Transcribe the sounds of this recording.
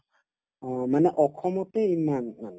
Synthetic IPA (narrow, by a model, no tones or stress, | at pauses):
manɛʔɔkʰɔmɔtɛimanmanɛ